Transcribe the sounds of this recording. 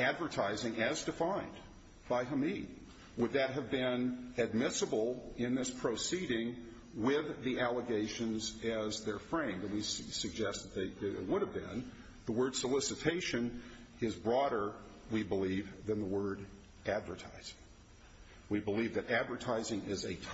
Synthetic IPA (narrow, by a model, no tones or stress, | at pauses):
ædvə˞tʰaɪzɪ̃ŋɨzdɨfãɪ̃n | b̥aɪɦəmi | wəd̪̚ðɨt̚ɦɨvbɪ̃nɨd̚mɪsəbl̩ˠɪ̃nðɪspʰɹ̥oʊsiɾɪ̃ŋ | wɪðiʔælˠəɡeɪʃɨ̃nzɨzðə˞fɹẽɪ̃mðɨ̃nwissɨɡ̚d͡ʒɛst̪̚ðət̪̚ðeɪɨt̚wʊɾɨvbɪ̰̃n | ðəwɜ˞d̥səlɪsɨtʰeɪʃɨ̃n | ɨzbɹɔɾə˞wibəlivðɨ̃nðəwɜ˞ɾ | ʔædvə˞tʰa̰ɪz̥ɪ̥̃ŋ | wibəlivðɨɾædvə˞tʰaɪzɪ̃ŋɪzɨtʰ